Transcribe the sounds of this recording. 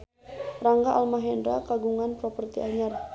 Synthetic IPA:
raŋɡaʔalmaɦɛndɾakaɡuŋanpɾɔpərt̪iaɲar

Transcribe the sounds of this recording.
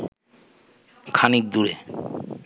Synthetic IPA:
kʰanik̚d̪uɾḛ

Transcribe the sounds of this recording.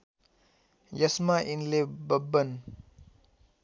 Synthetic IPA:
jasmaʔinlebəbən

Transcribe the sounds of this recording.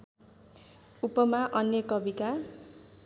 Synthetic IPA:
upʌmaʔʌnjʌkʌbit̪a

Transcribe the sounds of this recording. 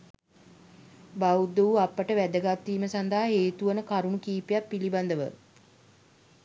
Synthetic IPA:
baud̪uuapːəʈəʋæd̪əɡat̪ːiːməsand̪aɦaɦeːt̪uʋənəkaɾunukiːpejapːiliband̪əʋə̰

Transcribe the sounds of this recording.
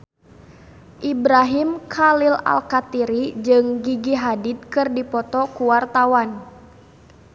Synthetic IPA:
ʔibɾaɦimkʰalila̰lkat̪iɾid͡ʒɨŋɡiɡiɦadid̪̚kɨrdipɔt̪ɔkuwart̪awan

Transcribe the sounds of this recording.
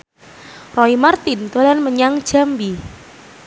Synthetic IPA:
rɔimart̪int̪ulanməɲaŋd̥ʒ̥a̤mbi

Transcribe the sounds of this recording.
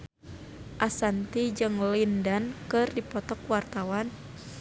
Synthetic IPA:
ʔasant̪id͡ʒɨŋlindankɨrdipɔt̪ɔkwart̪awan

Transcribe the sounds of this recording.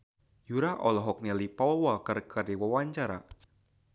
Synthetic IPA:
juɾaʔɔlɔɦɔk̚nilipawakərkʰərdiwawaɲt͡ʃaɾa̰

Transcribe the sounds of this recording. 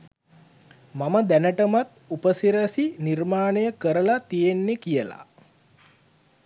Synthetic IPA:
maməd̪ænəʈəmat̪upəsiɾəsinirmaːnəjəkəɾəlat̪ijenːekijəla̰

